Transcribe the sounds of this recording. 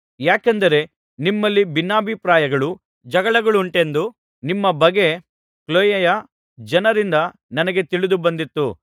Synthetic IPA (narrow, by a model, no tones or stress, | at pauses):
jaːkend̪ɐɾe̞ | nimːɐlːibinːaːbʱipɾaːjɐɡɐɭu | d͡ʒɐɡɐɭɐɡɐɭuuɳʈe̞nd̪u | nimːɐbɐɡe̞ | kloːjɐjɐ | d͡ʒɐnɐɾind̪ɐ | nɐnɐɡe̞t̪iɭid̪ubɐnd̪it̪ːu